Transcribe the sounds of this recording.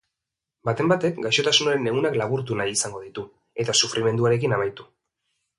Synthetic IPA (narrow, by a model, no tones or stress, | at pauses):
bat̪e̞mbat̪e̞kɡajʃo̞t̪asunaɾe̞ne̞ɣunaklaβuɾt̪̬unajisaŋɡo̞ðit̪u | e̞t̪asufɾʔime̞nd̪uaɾe̞k̬inamajt̪u